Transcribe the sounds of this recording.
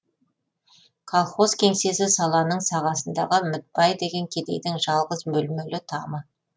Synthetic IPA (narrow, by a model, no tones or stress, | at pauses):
kʰolˠχo̞zkʲʰe̞ŋse̞sɪsɑlˠɑnəɴsɑʁɑsənd̪ɑʁəmɪt̪̚bɑjd̪e̞ɡʲe̞ŋkʲʰe̞d̪e̞̰jd̪ɪŋʒɑlˠʁəzmɵlmɵlɪt̪ʰɑmə